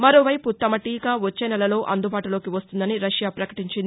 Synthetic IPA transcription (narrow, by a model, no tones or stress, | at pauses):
mɐɾo̞ːʋɐjput̪ɐmɐʈiːkaːʋot͡ʃːeːnɛlɐlo̞ːʔɐnd̪ubaːʈulo̞ːkiʋɐst̪und̪ɐniɾɐʃjaːpɾɐkɐ̥ʈiɲt͡ʃind̪i